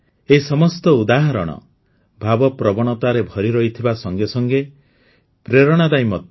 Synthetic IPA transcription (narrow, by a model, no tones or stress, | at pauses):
eisɔmɔst̪ɔud̪aɦɔɾɔ̰ɽ̃ɔ̰ | bʱabɔpɾɔbɔɽ̃ɔt̪aɾebʱɔɾiɾɔɦit̪ʰibasɔŋɡesɔŋɡe | pɾeɾɔɽ̃ad̪ajmɔt̪̚